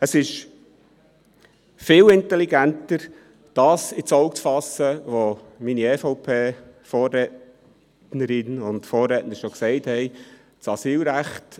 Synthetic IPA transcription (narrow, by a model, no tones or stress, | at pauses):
əsɪʃ | fɪːlɪntɛliɡæntəɾ | d̥ɑːsɪt͡sɔʊkt͡sfɑsəʋo | miniɛːfɔʊpʰeː | fɔːrːɛː | nəɾɪnʊndfoːrːɛːtnəɾʃɔksɛɪthɛɪ | t͡sɑsiːlɾæχt